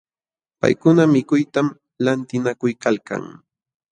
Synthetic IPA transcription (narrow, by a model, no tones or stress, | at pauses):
pa̰jkʊnamɪkʊjt̪am | lant̪ɪnakʊjkalka̰ŋ